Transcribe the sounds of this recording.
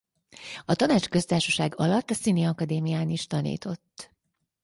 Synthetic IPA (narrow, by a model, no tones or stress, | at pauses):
ɒt̪ɒnaːt͡ʃkø̞st̪aːrʃɒʃaːɡɒlɒt̪ːɒsiːneɒkɒd̪eːmijaːniʃt̪ɒnḭːt̪o̞t̪ː